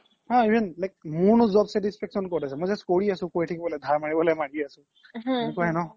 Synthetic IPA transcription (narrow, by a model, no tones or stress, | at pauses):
ɦãibʱɛnlajk̚munuzɔbsɛtispʰɛksɔnkotasɛmɔjzaskoɹiasʊ̃kojtʰikibɔlɛd̪ʱaɹmaɹibɔlɛmaɽiasʊ̃ | nukuɛnɔ